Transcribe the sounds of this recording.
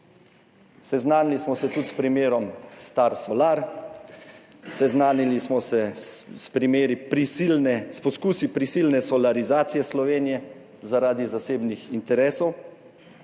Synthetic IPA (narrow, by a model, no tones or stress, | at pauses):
sɛznaːnilismɔsɛt̪ut̪spɾimeːɾɔmst̪aɾsɔlaːɾ | sɛznaːnilismɔsɛspɾimeːɾipɾisilnɛspɔskuːsipɾisilnɛsɔlaɾizaːt̪sijɛslɔʋeːnijɛ | zaɾaːd̪izaseːbnixint̪ɛɾɛːsɔw